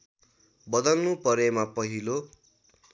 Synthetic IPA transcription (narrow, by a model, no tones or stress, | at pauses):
bʌd̪ʌlnupʌɾemapʌɦilo